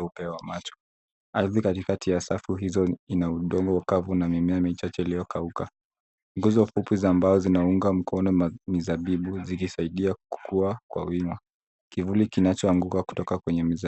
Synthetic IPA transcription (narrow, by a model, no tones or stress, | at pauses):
upɛwamat͡ʃɔ̥ | aðikatikatijasafuɦizɔinauɗɔŋɡɔwakavunamimɛamit͡ʃat͡ʃɛilijɔkʰauka | ŋɡuzɔfupizaːmbazɔzinauŋɡam̩kʰɔnɔmizaɓiɓuzikisaiɗiaku̥kuakwa̰wima | kivulikinat͡ʃɔaŋɡukaku̥tɔkakwɛɲɛmiz